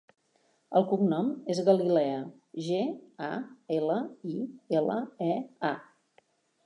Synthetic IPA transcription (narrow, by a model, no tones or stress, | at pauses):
əlˠkuŋnɔmezɣəlilɛə | ʒea̰eləielə̰ɛa